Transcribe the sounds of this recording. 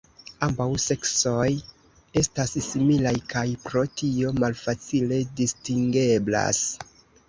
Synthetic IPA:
ambawse̞kso̞j | e̞stassimilajkajpɾo̞tio̞malfat͡sile̞distiŋɡe̞bla̰s

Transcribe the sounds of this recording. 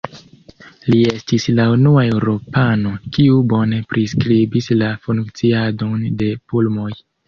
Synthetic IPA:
lie̞stislaunuae̞wɾo̞pano̞kiubo̞ne̞pɾiskɾibislafuŋkt͡siado̞nde̞pulmo̞j

